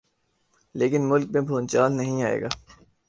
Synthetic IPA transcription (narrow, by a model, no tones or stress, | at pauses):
leːkɪnmʊlk̚mẽbʱoːnt͡ʃaːlnɐɦĩaːḛːɡa̰ː